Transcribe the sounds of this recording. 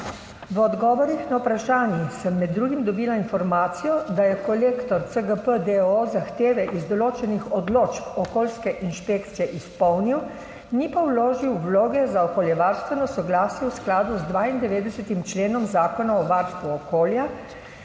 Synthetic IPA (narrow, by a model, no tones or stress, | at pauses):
ʋɔd̪ɡɔːʋɔɾixnawpɾaʃaːnjixsəmːɛd̪ːɾuːɡimd̪ɔbiːlainfɔɾmaːt̪sijɔd̪ajɛkɔleːkt̪ɔɾt̪səɡəpəd̪ɛozaxt̪eːʋɛʔizd̪ɔloːt͡ʃɛnixɔd̪loːt͡ʃpɔkoːlskɛʔinʃpeːkt̪sijɛʔispɔwniw | nipawloːʒiwːloːɡɛzaɔkɔljɛʋaːɾst̪ʋɛnɔsɔɡlaːsjɛwsklaːd̪uzd̪ʋaind̪ɛʋeːd̪ɛsɛt̪imt͡ʃleːnɔmzaːkɔnaɔʋaɾst̪ʋuɔkoːlja